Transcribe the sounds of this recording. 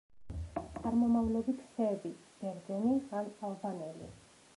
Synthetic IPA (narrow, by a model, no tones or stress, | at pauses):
t̪sʼaɾmɔmavlɔbit̪ʰsɛːbib̥ɛɾd̪zɛnianalˠbanɛlḭ